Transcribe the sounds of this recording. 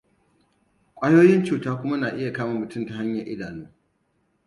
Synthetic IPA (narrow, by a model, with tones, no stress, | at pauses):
kʷʼaː˦joː˦jɪ˦nt͡ʃuː˨taː˦kʷʊ˦ma˦naː˨ʔɪ˦ja˨kaː˦ma˨mmʊ˨tʊ˦mta˨ha˦ɲjɐ˨ʔɪ̰˦daː˨nuː˦